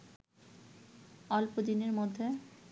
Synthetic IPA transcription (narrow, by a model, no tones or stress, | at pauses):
ɔlpod̪ineɾmod̪ʱːe